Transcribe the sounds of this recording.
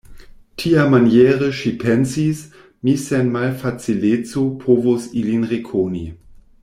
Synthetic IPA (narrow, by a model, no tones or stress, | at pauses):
tʰiamanjɛːʁəʃipʰɛnsis | misɛnmalfat͡silet͡sopʰoːvosilinʁekʰonḭ